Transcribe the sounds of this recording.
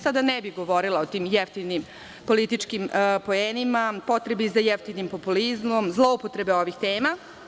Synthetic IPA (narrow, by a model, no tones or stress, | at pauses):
sad̪anebiɣɡo̞ʋo̞ɾilaot̪iːmjeft̪inim | po̞lit̪it͡ʂkimpo̞eːnimapo̞t̪ɾebizajeft̪inimpo̞pulizmo̞mzlˠoupot̪ɾe̞beo̞ʋixt̪eːma